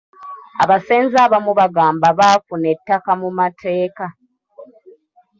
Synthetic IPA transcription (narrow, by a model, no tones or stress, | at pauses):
a̰βaseːnzaːβamuβaɡaːmbaβaːfune̞tːakamumatʰe̞ːka